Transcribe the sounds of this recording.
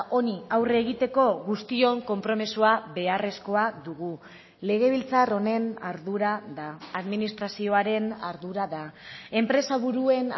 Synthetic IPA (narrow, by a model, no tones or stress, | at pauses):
o̞niawreːɣ̞it̪e̞ko̞ɣust̪io̞ŋko̞mpɾo̞mesuaβe̞are̞sko̞aðuɣu | le̞ɣ̞e̞β̞ilt͡saro̞ne̞na̰ɾðuɾaðaːðminist̪ɾasio̞aɾe̞naɾðuɾaðae̞mpɾe̞saβuɾue̞n